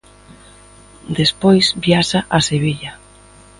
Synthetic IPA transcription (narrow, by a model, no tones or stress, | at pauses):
d̪espojsbiaʃaʔaseβiʎa